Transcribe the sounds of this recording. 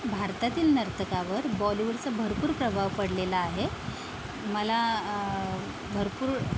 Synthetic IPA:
bʱaɾt̪at̪iːlnəɾt̪əkaʋəɾbɔliʋəɾt͡səbʱəɾpuːɾpɾəbʱaʋpəɽlelaːɦe | məla | bʱəɾpuːɾ

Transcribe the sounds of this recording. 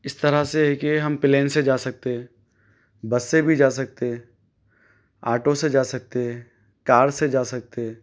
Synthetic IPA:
ɪst̪ɐɾaseɦɛkeɦɐmpɪleːnsed͡ʒaːsɐk̚t̪eɛ̃ | bɐsːebʱid͡ʒaːsɐk̚t̪e | aːʈosed͡ʒaːsɐk̚t̪eɦɛ | kaːɾsed͡ʒaːsɐk̚t̪eɛ

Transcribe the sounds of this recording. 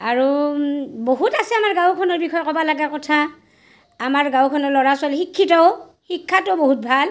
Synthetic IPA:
aɹu | boɦutasɛamaɹɡãwkʰɔnɔɹbikʰɔjkɔbalaɡakɔtʰa | amaɹɡãwkʰɔnɔlɔɹasalxikʰːitɔʊ | hikʰːatɔboɦut̚bʱal

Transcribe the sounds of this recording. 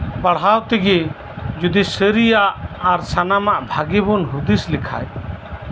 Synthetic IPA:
paɽɦawt̪iɡi | d͡ʒud̪isəɾijaʔːɾsanamaʔbʱaɡibɔnɦud̪islikʰa̰j

